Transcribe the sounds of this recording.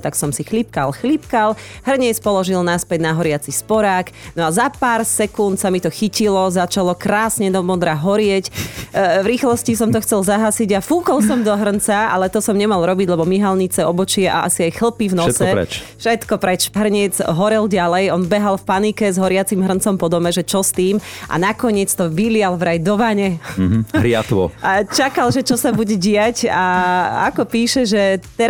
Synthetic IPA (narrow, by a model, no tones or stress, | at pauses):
t̪aksɔmsixlip̚ka̰lxlipkalɦrɲɛt͡spɔlɔʒilnaspɛɟnaɦɔɾɪat͡sispɔɾaːknɔazapaːɾsɛkunt̪samit̪ɔxicilɔzat͡ʃalɔkɾaːsɲɛd̪ɔmɔd̪ɾaɦɔɾɪɛc | vɾiːxlɔscisɔmt̪ɔxt͡sɛlzaɦasiɟafuːkɔlˠsɔmd̪ɔɦr̩nt͡saa̰lɛt̪ɔsɔmɲɛmalˠɾɔbiɟlɛbɔmiɦalɲit͡sɛɔbɔt͡ʃɪɛʔa̰a̰siajxl̩ˠpivnɔsɛɛ̰t͡ʃfʃɛt̪kɔpɾɛt͡ʃɦr̩ɲɛd͡zɦɔɾɛlɟalɛjɔnbɛɦalfpanikɛzɦɔɾɪat͡simɦr̩nt͡sɔmpɔd̪ɔmɛʒɛt͡ʃɔst̪iːmʔa̰nakɔɲɪɛt͡st̪ɔʋilɪjalʋɾajd̪ɔʋaɲɛɦɾɪat̪ʋɔ̰at͡ʃakalʒɛt͡ʃɔsabuɟɛɟɪacaa̰kɔpiːʃɛʒɛt̪ɛ